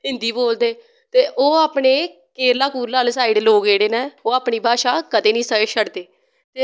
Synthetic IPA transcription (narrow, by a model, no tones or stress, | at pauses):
ɪ̃nd̪iːboːld̪eː | t̪eːʔoːaːpɳeː | keːɾlaːkuːɾlaːlsaːiɖloːɡeːɽeːnɛːoːaːpɳiːbʱaːʃaːkəd̪eːnĩːsəʃəɽd̪eː | t̪eː